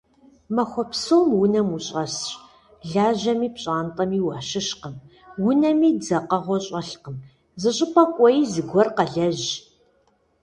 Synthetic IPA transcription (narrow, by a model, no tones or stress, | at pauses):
mɐxʷɔpsoːmwʊnɐmuɕʼɐsɕʼ | ɮaːʑɐmiːpɕʼaːntʼɐmiːwɐːʃɪʃqəm | wʊnɐmiːd͡zɐqɐʁʷɔɕʼɐɬqəm | zɨɕʼɪpʰɐkʷʼɔjiːzɨɡʷɔrqɐɮɐʑ